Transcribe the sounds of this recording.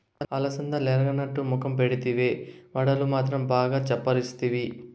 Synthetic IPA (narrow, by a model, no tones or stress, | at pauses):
ɐlɐsɐnd̪ɐlɛɾɐɡɐnɐʈːumukɐmp̬eɽit̪iʋeːʋɐɽɐlumaːt̪ɾɐmbaːɡaːt͡ʃɛpːɐɾist̪iʋi